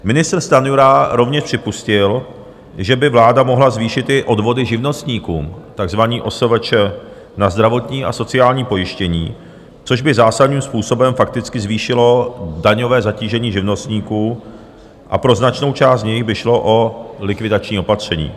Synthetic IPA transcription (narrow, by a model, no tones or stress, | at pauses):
mɪnɪst̪ɾ̩st̪anuɾaɾo̞vɲɛʃpr̥ɪpuscɪl | ʒɛbɪvlaːdamo̞ɦlazviːʃɪt̪ɪʔo̞dvo̞dɪʒɪvno̞st̪ɲiːkṵːmt̪aɡzvaɲiːʔo̞sovɛt͡ʃɛ | nazd̪ɾavo̞t̪ɲiːʔa̰so̞t͡sɪaːlɲiːpo̞jɪʃcɛɲiː | t͡so̞ʒbɪzaːsad̪niːmspuːso̞bɛmfak̚t̪ɪt͡skɪzviːʃɪlo̞daɲo̞vɛːzaciːʒɛɲiːʒɪvno̞st̪ɲiːkuː | ʔa̰pɾo̞znat͡ʃno̞wt͡ʃaːst̪ɲɛjxbɪʃlo̞ʔo̞lɪkvɪdat͡ʃɲiːo̞pat̪r̝̥ɛɲḭː